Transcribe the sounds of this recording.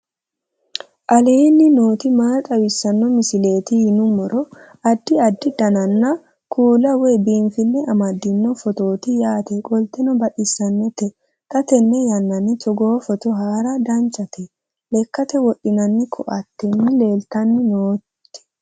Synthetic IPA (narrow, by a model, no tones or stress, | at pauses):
ʔɐleːnːɪno̞ːt̪ɪmaːt̪ʼɐwɪsːɐnːɔmɪsɪle̞ːt̪ɪhɪnʊmɔɾɔ | ɐd̪ːɪɐd̪ːɪd̪ɐnɐnːɐ | kʰuːlɐwɔjbiːnfɪnːɛʔɐmɐd̪ːɪnːɔfɔt̪o̞ːt̪ɪjaːt̪ɛkʼɔlt̪ːɛnɔbɐɗɪsːɐnːɛt̪ɛ | t̪ɐt̪ɛnːɛjɐnːɐnːɪtɔɡoːfɔt̪ɔɦaːɾɐd̪ɐnt͡ʃʼːɐt̪ʰɛ | lɛkːɐt̪ɛwɔɗɪnɐnːɪkʰːɔ̰ʔɐt̪ːɛnːɪle̞ːlt̪ɐnːɪnoːt̪ː | ɛ̥